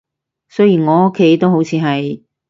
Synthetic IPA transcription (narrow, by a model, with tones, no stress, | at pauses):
sœ˥ɥjiː˨˩nŋɔː˨˧ʊ˥kʰːe˨˥jt̪o˥wɦo˨˥wt͡sʰiː˨˧ɦɐ˨j